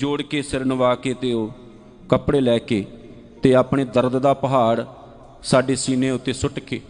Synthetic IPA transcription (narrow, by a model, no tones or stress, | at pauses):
d͡ʒoːɽkeːsɪɾnʋaːkeːt̪eːoː | kəpɽeːlɛːkeː | t̪eːaːpɳeːd̪əɾd̪d̪aːpəɦaːɽ | saːɖeːsiːnẽːʊt̪ːeːsʊʈkeː